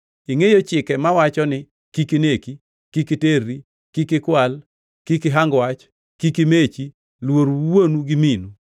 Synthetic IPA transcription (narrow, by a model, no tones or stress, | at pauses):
iŋejot͡ʃɪkɛmawat͡ʃɔnɪ | kikineki | kikiterːi | kikɪkwal | kikɪɦaŋɡwat͡ʃ | kikimet͡ʃi | lwoɾuwonuɡɪminu